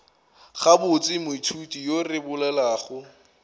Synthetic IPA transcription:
χabʊt͡sʼɪmʊitʰutʼijorɪbʊlɛlaːχʊ

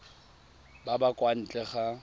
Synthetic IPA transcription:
babakʼwan̩t͡ɬʼɛχa

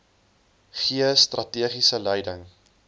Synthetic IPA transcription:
χiəstrʔɐtiəχisəlɛjdəŋ

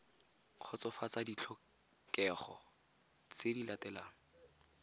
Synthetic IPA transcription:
q͡χʰɔt͡sɔfat͡sadit͡ɬʰɔ | kɛχɔ̰ | t͡sɪdilatɛlaːŋ̩

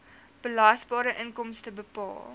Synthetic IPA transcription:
b̥əlɐsbɑːɾəʔənkɔmstəbəpɑ̰ːlˠ

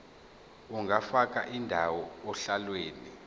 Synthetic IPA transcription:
uŋɡʱafak̬ʼaʔindʱawɔːɬalweːni

